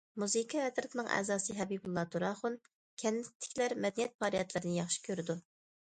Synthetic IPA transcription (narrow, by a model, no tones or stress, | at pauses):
muzɨkʰiɛt̪ɾɨt̪ʰnɨŋʔɛ̰ːzɑːsɨɦɛbibulˠːɑt̪uɾɑχun | kʲʰɛnːɪt̪ʰːɪ̥kʲlæɾmɛd̪ɛnijɛt̪̚pʰɑːɾijɛt̪lˠɨɾɪnɪjɑχʃi̥kʲʰøɾɪd̪u